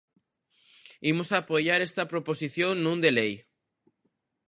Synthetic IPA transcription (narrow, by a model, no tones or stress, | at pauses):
imosapojaɾest̪ɐpɾoposiθjoŋnːũnd̪elej